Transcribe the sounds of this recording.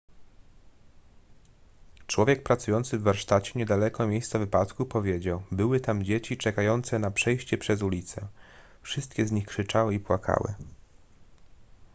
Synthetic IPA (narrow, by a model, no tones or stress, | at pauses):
t͡ʂwɔvʲjɛk̚pɾat̪sujɔnt̪sɘvːaɾʂt̪at͡ɕɛɲɛd̪alɛkɔmʲjejst̪sɛvɘpat̪kupɔvʲjed͡ʑawbɘwɘt̪amd͡ʑet͡ɕit͡ʂɛkajɔnt̪sɛnapʂɛjɕt͡ɕɛpʂɛzulʲit̪sɛ̰ | fʂɘst̪̚kʲɛzɲixkʂɘt͡ʂawɘipwakʰa̰wɘ̰